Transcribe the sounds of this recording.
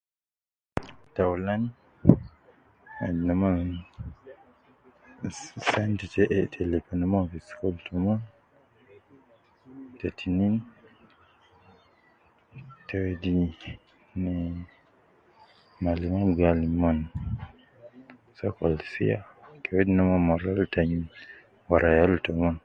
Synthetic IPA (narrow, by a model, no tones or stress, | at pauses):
tawlan | adnaman | santiteʔtʰelepanamãvisi̥kɔltuman | tetʰinin | tʰɛwedi | nɛ | malimamɡaliman | sakɔlsḭa̰kʰɛwedinamanmaɾaltaɲin | waɾajaltɔman